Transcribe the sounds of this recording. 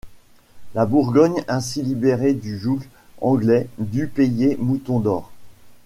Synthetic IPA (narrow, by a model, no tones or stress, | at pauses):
labuʁɡɔɲɛ̃s̬ilibeʁed̪yʒuk | ɑ̃ɡlɛd̪ypejemut̪ɔ̃d̪ɔːʁ